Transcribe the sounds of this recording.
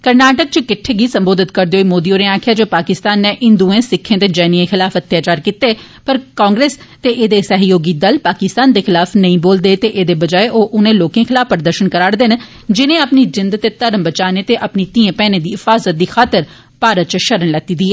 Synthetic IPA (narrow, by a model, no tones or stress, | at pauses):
kəɾnaːʈək̚t͡ʃəkɪʈʰːeːɡiːsə̃mboːd̪ɪt̪kəɾd̪eːoimoːd̪ioːneaːkʰɪjaːd͡ʒoːpaːkɪst̪aːnːẽːʔɪnd̪uːẽːsɪkʰːẽːd̪eːd͡ʒɛːniẽːxɪlaːfʰət̪ːjaːt͡ʃaːɾkit̪eː | pəɾkãːŋɡɾeːs | t̪eːʔeːd̪eːsəɦjoːɡiːd̪əlpaːkɪst̪aːnd̪eːxɪlaːfʰnəĩːboːld̪eːt̪eːʔeːd̪eːbəd͡ʒaːeʔoːʔʊnẽːloːkẽːxʰɪlaːfʰpəɾd̪əɾʃənkəɾaːɾd̪en | d͡ʒɪnẽːəpnid͡ʒɪnd̪t̪eːt̪əɾəmbət͡ʃaːneːt̪eːʔəpniːt̪iẽːpɛːnẽːd̪iːɪfaːzət̪̚d̪iːxaːt̪əɾ | paːɾət̪̚t͡ʃʃəɾəɳlɛt̪ːiːd̪iːɛː